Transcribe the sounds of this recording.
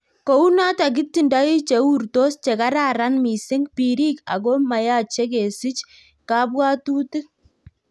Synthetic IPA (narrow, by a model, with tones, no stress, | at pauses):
ko˨u˦na˦ta˨k̬ɪ˦tːi˨nda˦i˦t͡ʃe˨u˦˨rto˦st͡ʃe˨ka˦ɾa˨ɾa˦nmi˨sɪ˦ŋpi˨ɾi˦ka̰˨ko˦ma˨ja˦t͡ʃe˦ke˨si˦t͡ʃ | ka˨˦bwa˦tu˦tɪ˦k̚